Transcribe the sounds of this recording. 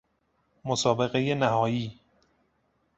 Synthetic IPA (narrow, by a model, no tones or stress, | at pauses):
mosɒːbe̞ɣejenæɦɒːjiː